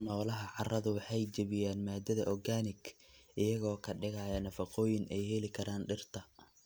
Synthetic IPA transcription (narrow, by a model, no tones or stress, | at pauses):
nɔːlɐɦɐʕɑrɐðʊwɑħɑjt͡ʃɐβɪjaːnmaːd̪ɐðɐʔɔɡaːnɪɡʔɪjɐɣɔːkʰɐɖɪɣɐjɐnɐfɑqɔːjɪnɛjhɛlɪkʰɐɾaːnɖɪrt̪ʰɐ